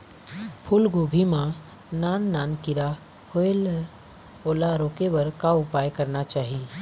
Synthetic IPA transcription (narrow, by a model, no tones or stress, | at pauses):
pʰʊlɡobʱimã | naːnːaːnkɪɾa | hoel | oːlaɾoːkeʋəɾkaʊpaːjkəɾnat͡ʃaːɦi